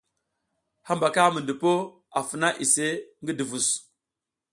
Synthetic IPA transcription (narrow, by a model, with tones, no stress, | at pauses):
ha˦mba˨ka˦mə˨ndə˨po˦ | a˨fə˨na˦ʔi˨se˦ŋɡi˦di˨vu˨s